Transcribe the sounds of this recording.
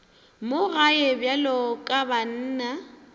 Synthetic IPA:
mʊɣaɛbjalɔkʼaban̩ːna

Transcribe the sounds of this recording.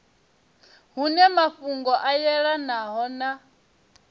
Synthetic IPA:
ɦunɛmafuŋɡɔʔajɛɺanaɦɔna

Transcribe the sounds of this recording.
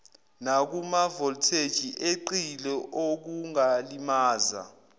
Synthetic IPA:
nak̬umavɔltʰed̥ʒ̥ʱiʔeǃilɛʔok̬uŋalimaːza̰

